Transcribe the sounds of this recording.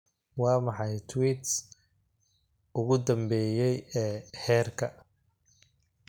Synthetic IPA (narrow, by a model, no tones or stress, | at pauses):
wɑːmɑħɑjt̪ʰwit̪s | ʊɣʊd̪ɐmbɛːjɛjɛːhɛːrkʰɐ